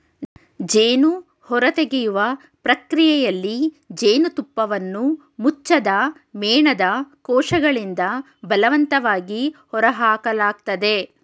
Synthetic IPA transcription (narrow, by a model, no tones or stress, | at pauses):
d͡ʒeːnu | hɔɾɐt̪eɡejuʋɐ | pɾɐkɾijɛjɐlːi | d͡ʒeːnut̪upːɐʋɐnːu | mut͡ʃːɐd̪ɐ | mɛːɳɐd̪ɐkɔːʂɐɡɐɭind̪ɐ | bɐlɐʋɐnt̪ɐʋaːɡihɔɾɐɦaːkɐlaːk̚t̪ɐd̪e̞